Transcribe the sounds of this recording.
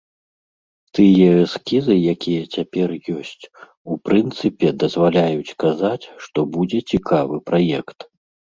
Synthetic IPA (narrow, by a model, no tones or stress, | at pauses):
t̪ɨjɛɛskʲizɨjakʲijɐt͡sʲapʲɛrjɔsʲt͡sʲ | upɾɨnt̪sɨpʲɛd̪ɐzvalʲajut͡sʲkazat͡sʲʂt̪ɔbud͡zʲɛt͡sʲikavɨpɾajɛkt̪